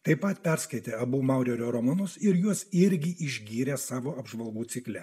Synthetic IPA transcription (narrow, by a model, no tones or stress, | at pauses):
t̪ɐɪpɐt̪pʲɛɾskɐɪt̪ʲeːɐbuːmɑʊɾʲeɾʲoːɾomoːnʊsɪɾjuɔsɪɾʲɡʲɪʔɪʒʲɡʲiːɾʲeːsɑːʋoːɐbʒʋɐlˠɡuːt̪ʲɪklʲɛ